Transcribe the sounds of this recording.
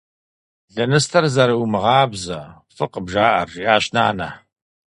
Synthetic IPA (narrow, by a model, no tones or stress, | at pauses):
ɮɐnɨstʰɐrzɐɾɐwmɨʁɑːbzɐ | fɨqəbʒaːʔɐ̰rːiʔaːɕna̰ːnɐ̰